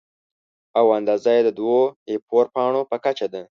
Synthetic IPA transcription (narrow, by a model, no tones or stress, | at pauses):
awand̪ɑzajed̪əd̪woepʰoɾpɑɳ̃opəkat͡ʃad̪a